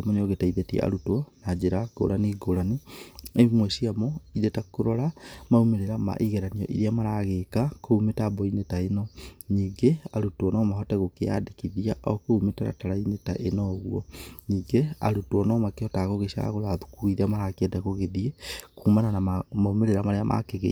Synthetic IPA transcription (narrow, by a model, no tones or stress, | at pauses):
mɔneɔɣetaiðetiḛa̰ɾutwɔnad͡ʒeɾaɡo̰lʔaniɡolaniemwɛʃiamɔiðetakuɾɔɾamaumeɾeɾama̰ʔiɣeɾaniɔ̰ʔḭɾiamaɾaɣekakoumetabɔinetaenɔɲiːɡeaɾutwɔnɔmaɦɔtɛɣokea̰dekiðiaʔɔkoumetaɾa̰talainetaʔenɔɣwɔɲiːɡea̰ɾutwɔnɔmakeɔtaɣoɣeʃa̰ɣolaðukuiðamaɾakiɛdakoɣeðiekuːmananaamaumeɾeɾamaɾeamʔa̰keɣḛ